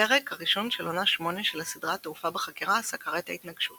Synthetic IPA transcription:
eʁekhaʁiʃo̞nʃelo̞naʃmo̞neʃelasid̪ʁatːufabeχakiʁasakaʁet̪ait̪naɡʃut

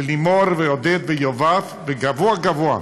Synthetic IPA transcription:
limɔɾvɛɔd̪ɪd̪vɪjɔvafvɪɡavuaɡavua̰

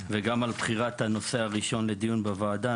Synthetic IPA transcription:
veɡamalpχiʁat̪hano̞se̞aʁiʃo̞nled̪ijunbavaːd̪a

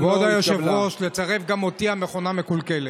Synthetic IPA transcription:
veodhajoʃevʁoʃlet͡saʁe̞fɡamo̞t̪iameχo̞namekulkelet

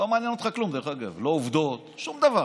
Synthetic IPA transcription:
lomaːnjenot̪χaklumd̪eexaɡa̰vloovd̪o̞t̪ʃumd̪ava

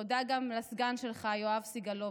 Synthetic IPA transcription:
od̪aɡamlasɡanʃelχajoavsiɡalo

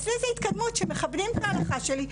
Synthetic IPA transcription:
snezehit̪kad̪motʃemeχabɾimt̪aːlaχaʃeli

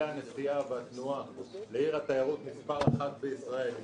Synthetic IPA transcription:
anesiabat̪nualeiʁat̪ajaʁut̪mispaʁaχat̪beisʁae̞l

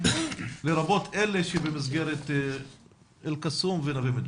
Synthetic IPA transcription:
leɾabo̞t̪ʰeleʃebemizɡeɾet̪ | elkasumvenavemed̪

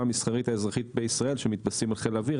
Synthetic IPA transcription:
amisχaʁit̪aezʁaχit̪beisʁae̞lʃemit̪basimalχelavi

